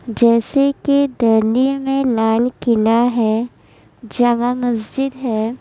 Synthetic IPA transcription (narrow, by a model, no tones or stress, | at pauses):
d͡ʒɛːseked̪ɐɾnlimẽlaːlkɪlaɦɛ | d͡ʒɐmamɐsd͡ʒɪd̪ɦɛː